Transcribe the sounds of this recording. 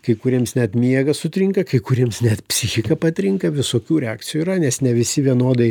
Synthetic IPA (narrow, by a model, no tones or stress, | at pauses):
kɐɪkʊɾʲiɛmsnʲɛt̪mʲiɛɡɐsʊt̪ʲɾʲɪŋkɐkɐɪkʊɾʲiɛmsnʲɛt̪pʲsʲɪxʲɪkɐpɐt̪ʲɾʲɪŋkɐʋʲɪsoːkʲuːɾʲɛaːkt͡ssʲɪjuːɾɐnʲɛsnʲɛʋʲɪsʲɪʋʲiɛnoːd̪ɐɪ